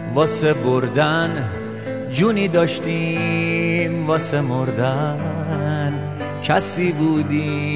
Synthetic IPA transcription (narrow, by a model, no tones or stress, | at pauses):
vɒːseboɾd̪æn | d͡ʒuːniːd̪ɒːʃt̪i | mvɒːsemoɾd̪æ | n | kʰæsiːbuːd̪i